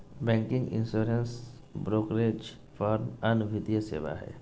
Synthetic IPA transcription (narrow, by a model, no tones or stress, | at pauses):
bɛ̃ːŋkɪ̃ŋɡḭ̃nsoːɾens | bɾoːkɾed͡ʒ | pʰɔɾmɐnbʱit̪ijəsḛːʋa̰ɦɛ̰ː